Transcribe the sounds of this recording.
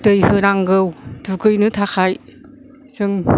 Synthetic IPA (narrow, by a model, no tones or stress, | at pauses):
tɯjhɯnaŋɡɯwdukɯjnɯtʰaxʰaj | sɯŋ